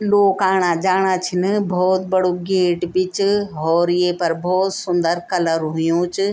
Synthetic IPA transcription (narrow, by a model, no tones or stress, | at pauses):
loːkaːɽ̃ad͡ʒaːɽ̃aːt͡ʃʰɪnbʱɔːt̪bɐɽoɡeːʈbɪt͡ʃɦɔːɾijepɐɾbʱɔːt̪sʊ̃nd̪əɾkɐləɾɦʊjũt͡ʃɪ